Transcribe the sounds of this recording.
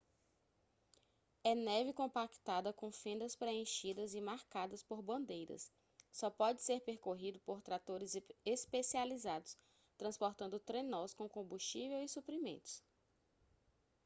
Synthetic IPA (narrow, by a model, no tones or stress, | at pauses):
ɛnɛvikõpakt̪ad̪ɐkõw̃fẽnd̪ɐspɾeẽʃid̪ɐzɪmaɾkad̪ɐspoɾbɐ̃nd̪ejɾɐ̰sː | ɔpɔd͡ʒɪseɾpeɾkoɦid̪ʊpoɾt̪ɾat̪oɾɪzespesializad̪ʊs | t̪ɾɐ̃spoɾt̪ɐ̃nd̪ʊt̪ɾenɔskõkõmbuʃt͡ʃivewisupɾimẽnt̪ʊ̥s